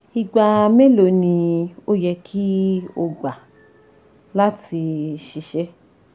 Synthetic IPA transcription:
i˧ɡ͡ba˧me˦lo˧nĩ˧o˦jɛ˧kʰi˦o˧ɡ͡ba˨ | la˦tʰi˧ʃi˧ʃɛ˦

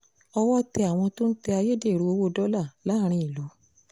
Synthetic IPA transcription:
ɔ˧wɔ˦tɛ˧a˨w̃ɔ̃˧to˦n̩˦tɛ˧a˧je˦de˦˨ɾu˨˧o˧wo˦˨dɔ˦la˦˨la˨˦˨ɾ̃ĩ˧˦i˨lɔ˨˦

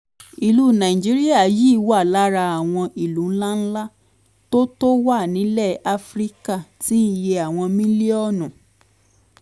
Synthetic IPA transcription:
i˨lu˦˨nã˨ĩ˨d͡ʒi˨˦ɾi˦a˦˨ji˦wa˦˨la˨˦ɾa˧a˨w̃ɔ̃˧ʔi˨lũ˨˦n̩˦la˦n̩˦la˦ | to˦to˦wa˦˨nĩ˨˦lɛ˦˨a˧fɾi˦ka˦˨ti˦je˧a˨w̃ɔ̃˧mĩ˦le˦ɔ˦˨nũ˨

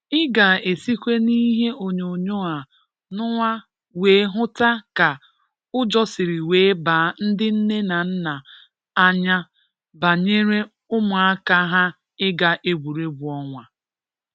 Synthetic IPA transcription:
ɪ˦ɡa˨e˨si˦kʷe˦ni˦ɦe˦ʔo˨ɲo˨ɲo˦a˨ | nʊ˦ŋʷa˦ | weː˨˦ɦʊ˦ta˦ka˨ | ʊ˦d͡ʒɔ˦sɪ˨ɾi˨weː˨˦ba˨˦n̩˦dɪ˦n̩˦ne˦na˨n̩˦na˨ | a˦ɲa˦ | ba˨ɲe˦ɾe˦ | ʊ˦mʊ˨a˦ka˦ɦa˦ | ɪ˦ɡa˨ʔe˦ɡʷu˨ɾe˦bʊ˨ɔ˦ŋʷa˨

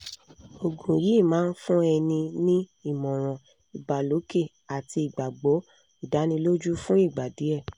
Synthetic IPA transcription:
o˨ɡũ˨ɾi˨˦˨mãː˨˦n̩˦fũ˦ɛ˧nĩ˧nĩ˦i˦˨mɔ̃˨ɾ̃ɔ̃˨ | i˨ɡ͡bba˨lo˨˦ke˦˨ | a˨ti˧i˨ɡ͡ba˨ɡ͡bo˨˦ | u˨da˨˦nĩ˧lo˦d͡ʒu˦fũ˦i˦˨ɡ͡ba˨di˨˦ɛ˦˨

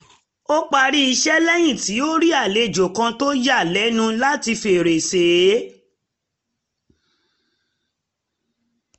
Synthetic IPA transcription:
o˦k͡pa˧ɾi˦i˧ʃɛ˦lɛ˦j̃ĩ˦˨ti˨˦o˦ɾi˦a˦˨le˧˦˨d͡ʒo˨kã˧to˦ja˦˨lɛ˨˦nũ˧la˦ti˧fe˨ɾe˨se˨˦

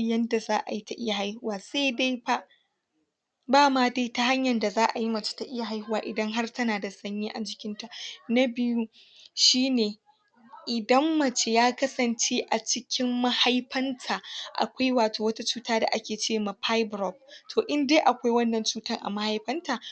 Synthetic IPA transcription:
jɐ˦nda˨zaː˦ʔa̰˨ji˦ta˨ʔɪ˦ja˨ha˦jhʊ˦waː˨sa˦jde˦jba˦ | baː˦maː˦de˦ta˦ɦa˦ɲjɐ˨nda˨zaː˦ʔa˨ji˦mɐ˨t͡ʃe̥˦ta˨ʔɪ˦ja˨ɦa˦jhʊ˦waː˨ʔɪ˨dɐ˦ŋɦa˦rtɐ˦naː˨da˨sɐ˦ɲjiː˦ʔa˨d͡ʒɪ˨kʲɪ˦nta˨nɐ˦bɪ˦ju˦ | ʃiː˦neː˨ | ʔɪ˨dɐ˦mːɐ˨t͡ʃe˦jaː˦kɐ˦sɐ˨nt͡ʃe˦ʔa˨t͡ʃɪ˦kʲɪ˦mːɐ˦ha˦jɸɐ˦ntʰaː˨ʔa̰˨kʷa˦jwaː˨tʰoː˨wɐ˦ta˦t͡ʃuː˦taː˦da̰˨ʔa˦kʲeː˨t͡ʃeː˦maː˨ɸʰa˦jbɾɔ˦˨b̚tʰoː˨ʔɪ˦nde˦ʔa˨kʷa˦jwɐ˦nːɐ˨nt͡ʃuː˦tɐ˦ŋʔa̰˨ma˦ha˦jɸɐ˦ntaː˨

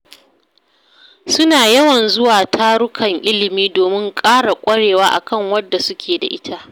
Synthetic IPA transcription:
sʊ˦naː˨jɐ˦wɐ˨nzʊ˦waː˨tʰaː˦ɽʊ˦kʰɐ˨ŋʔɪ˦lɪ˨miː˦doː˨mɪ˦ŋkʼaː˦ɽa˨kʷʼɐ˦ɽeː˨waː˦ʔa̰˨kɐ˦˨ŋwɐ˦dːa˨sʊ˦kʲʰeː˨da̰˨ʔɪ˦tʰa˦ʔ

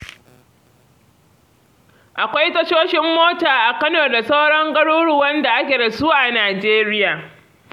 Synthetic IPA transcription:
ʔa˨kʷa˦jtɐ˦ʃoː˦ʃɪ˦mːoː˦taː˨ʔa˨kɐ˦noː˨da˨sa˦wɽɔ˦ŋɡɐ˦ɽuː˦ɽʊ˨wɐ˦nda˨ʔa˦kʲeː˨ɽɐ˨suː˦ʔa˨naː˨d͡ʒeː˦ɾɪ˦jaː˨

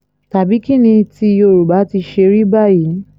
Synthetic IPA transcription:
ta˨bi˨˦ki˦nĩ˧ti˧o˧˨ɾu˨ba˨˦ti˧ʃe˧ɾi˦ba˦˨ji˨˦

